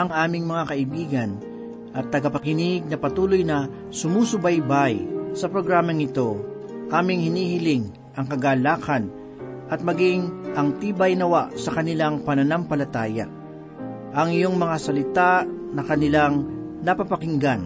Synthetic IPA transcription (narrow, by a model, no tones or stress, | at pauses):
ɐŋʔaːmɪŋmɐŋakɐʔɪbiːɡɐn | ʔɐt̪ːɐɡapɐkɪniɡ̚nɐpɐt̪uːlojnɐ | sʊmuːsʊbajbajsɐpɾoɡɾaːmɐŋɪt̪o̞ | ʔaːmɪŋhɪniːhɪlɪŋ | ʔɐŋkɐɡaːlaːkɐn | ʔɐt̪̚mɐɡɪŋʔɐŋt̪iːbɐjnɐwaʔsɐkɐnɪlaŋpɐnɐnampɐlɐt̪aːja̰ | ʔɐŋɪjo̞ŋmɐŋasɐlɪt̪anɐkɐnɪlaŋnɐpapɐkɪŋɡan